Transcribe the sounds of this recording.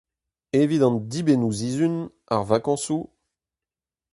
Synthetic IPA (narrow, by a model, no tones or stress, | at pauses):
evid̪ɑ̃nd̪ibenuzizyn | a̰ʁvakɑ̃su